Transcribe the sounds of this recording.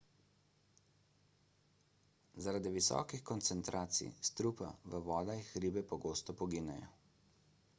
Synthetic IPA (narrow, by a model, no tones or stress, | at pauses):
zaɾad̪iʋisɔ̰ːkixkɔnt̪sɛnt̪ɾʔaːt̪sḭjst̪ɾupa̰ʋəʋɔːd̪ajixɾiːbɛpɔɡoːst̪ɔpɔɡiːnɛjɔ̰